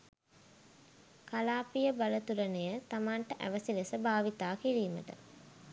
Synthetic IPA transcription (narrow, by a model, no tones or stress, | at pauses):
kalaːpijəbalət̪uɾənejət̪amaːɳʈəʔæ̰ʋəsilesəbaːʋit̪aːkiɾiːmə̰ʈə̰